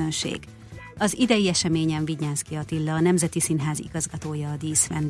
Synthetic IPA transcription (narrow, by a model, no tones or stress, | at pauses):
ønʃḛːɡ̥ | ɒzid̪ɛjiɛʃɛmeːɲɛɱviɲːaːskiɒt̪ilːɒːnɛmzɛt̪isinɦaːzḭɡɒzɡɒt̪oːjɒːd̪iːsfɛn